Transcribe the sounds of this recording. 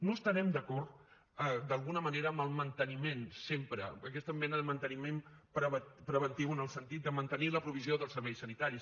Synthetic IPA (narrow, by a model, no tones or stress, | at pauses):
nust̪əɾɛmd̪əkɔɾt̪ | əd̪əlˠɣunəməneɾəːməlˠmənt̪ənimensempɾə̰ːkɛst̪əmːɛnəðəmənt̪ənimem | pɾəβəpɾəβənt̪iwənəlˠsənt̪it̪̚d̪əmənt̪əniləpɾuβ̞izioðəlˠsəɾβɛjsənit̪aɾis